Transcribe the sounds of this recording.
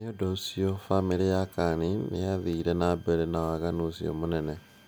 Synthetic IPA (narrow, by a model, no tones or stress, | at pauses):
odosiofamiɾijakaninḭjaβiɾenabeɾenawaɣanusio̰munene